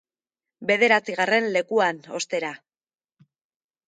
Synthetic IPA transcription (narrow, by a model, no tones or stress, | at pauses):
be̞ðe̞ɾat͡siɣ̞are̞nle̞kuano̞st̪e̞ɾa